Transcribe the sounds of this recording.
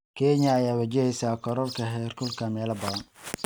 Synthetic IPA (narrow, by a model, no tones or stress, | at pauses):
kʰɛɲɐːjaːβɐt͡ʃɛhɛjsaːkʰɔɾɔlkʰɐɦɛrkʰɔlkʰɐmɛːlɐbɐðɐn